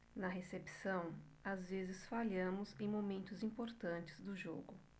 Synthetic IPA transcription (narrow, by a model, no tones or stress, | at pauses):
nɐɦesepi̥sɐ̃w̃ | azvezɪsfaʎɐ̃mʊzẽj̃momẽnt̪ʊzĩpoɾt̪ɐ̃nt͡ʃɪ̥zd̪ʊʒoɡʊ